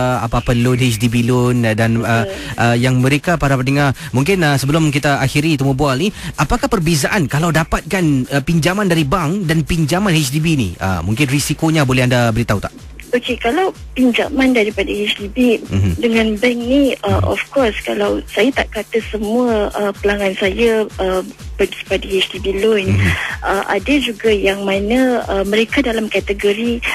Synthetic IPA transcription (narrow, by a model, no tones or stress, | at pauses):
a̰paːpəlʊnɦet͡ʃdibilʊndanəʔəjaŋməɾekapaɾapənəŋarmuŋkɪnəsəbəlʊmk̬it̪aaxiɾit̪umubualniʔapakahpərbezaʔankalawdapat̪̚kanəpiɲd͡ʒamandaɾibaŋdanpiɲd͡ʒamãnhet͡ʃdibinḭə̰muŋkɪnrisikoɲabolɛhandabəɾit̪aɦut̪aʔ | okekalaw | piɲd͡ʒa̰mãndaɾipadahet͡ʃdibidəŋãnbɛŋniəʔɔ̰fkɔrskalawsajat̪a̰ʔkat̪əsəmũəəpəlaŋansajaəbəɡipadahet͡ʃdibilɔnəʔa̰dad͡ʒuɡajaŋmanə̃əmə̃ɾekadalamkat̪əɡoɾi